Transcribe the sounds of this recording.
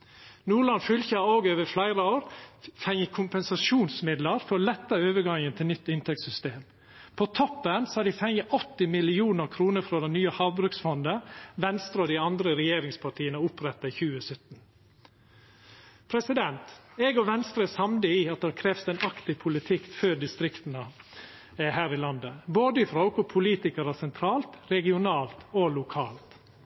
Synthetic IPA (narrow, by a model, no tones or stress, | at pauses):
nuːɭɑnfʏlçəoːɡøːʋəflæɪɾəoːɾfɛŋəkʰʊmpɛnsɑʃuːnsmɪd̪ləɾfɔɾɔlɛt̪ːəøːʋəɡɑŋənt̪ʰɪlnʏt̪ːɪnt̪ʰɛk̚tsʏst̪eːm | pʰɔt̪ʰɔpːənsɔhæɖɪfɛŋəʔɔt̪ːɪmɪlɪuːnəɾkʰɾuːnəfɾɔd̪ɛnnːyːəhɑʋbɾʉksfɔnd̪əʋɛnst̪ɾəɔd̪ɪɑnd̪ɾəɾɛjeːɾɪŋspʰɑʈʰiːənəʊpɾɛt̪ːɑɪçʉːəsœt̪n̩ | pʰɾɛsɪd̪ɛnt̪ɛɡɔʋɛnst̪ɾəɛsɑmd̪əiːɑt̪̚d̪ɛhkʰɾɛːʋst̪ɛnɑkt̪ɪpʰʊlɪt̪ʰɪkføːɾɖɪst̪ɾɪkt̪nə | ɛhæːɾɪlɑnd̪əboːd̪əɪfɾɔʊkʊpʰʊliːt̪ɪkəɾəsɛnt̪ʰɾɑːlt̪ɾɛɡɪʊnɑːlt̪olʊkʰɑːlt̪